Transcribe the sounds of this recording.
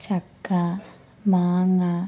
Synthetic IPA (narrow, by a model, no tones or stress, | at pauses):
t͡ʃakːa | maːŋa